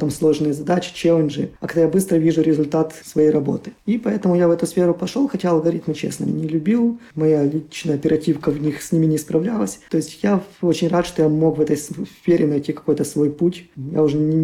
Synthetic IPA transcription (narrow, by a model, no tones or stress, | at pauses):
t̪amslˠo̞ʐnɨjəzɐd̪at͡ɕɪ̥t͡ɕelʲˠənʐɨɐkɐɡd̪ajabɨst̪ɾəvʲiʐʊɾʲɪzʊlʲt̪at̪sv̥ɐjejɾɐbo̞̰t̪ɨ̥ipɐɛt̪əmʊjavɛt̪ʊsfʲeɾʊpɐʂolˠxɐtʲaɐlˠɡɐɾʲit̪mɨt͡ɕḛsnə̰m̰ʲnʲɪlʲʉbʲilˠmɐjalʲit͡ɕnəjəɐpʲɪɾɐtʲifkəvnʲixsʲnʲimʲɪnʲɪspɾɐvlʲalˠəsʲt̪o̞jɪsʲtʲjaot͡ɕɪnʲrat̪ʂt̪ojamo̞kvɛt̪əjsfʲeɾʲɪnɐjtʲːikɐ̥ko̞jt̪əsvo̞jputʲja̰ʊʐɛnʲɪ